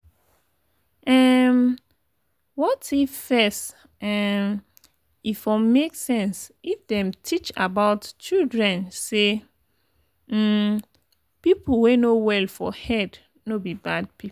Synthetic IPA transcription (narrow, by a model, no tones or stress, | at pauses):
ɛm | wɔtifɛst | ɛm | ifɔ̃meksɛ̃nsifdɛ̃mtʰit͡ʃa̰baʊtt͡ʃildɹɛ̃nse | pipl̩wenowɛlfɔhɛd | nobibad̚pip